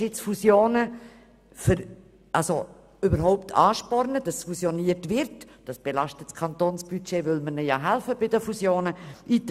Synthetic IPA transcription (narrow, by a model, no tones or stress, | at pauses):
ɪt͡sfusjoːnə | fəɾ | ʔɑso | ybəɾɦɔʊptʰɑːʃpɔrnəd̥ɑsfusjoniːətvɪɾt | d̥ɑsb̥elɑʃtətskʰɑnt̪oːnsb̥yt͡ʃeːvʏlmənəjɑɦælfəbɪdəfusjoːnəʔit